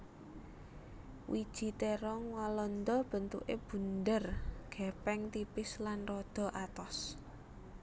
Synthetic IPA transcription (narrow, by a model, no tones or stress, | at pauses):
wʔid̥ʒ̥i̤t̪eɾɔŋwalɔnd̪ɔb̥ə̤nt̪ṵʔeb̥ṳnd̪ərɡ̥ɛ̤pɛŋt̪ipɪslanrɔd̪̥ɔ̤ʔat̪ɔs